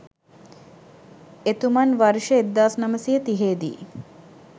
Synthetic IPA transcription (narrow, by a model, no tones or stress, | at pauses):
et̪umanʋaɾʃəed̪ːaːsnɐməsijət̪iɦeːd̪ḭː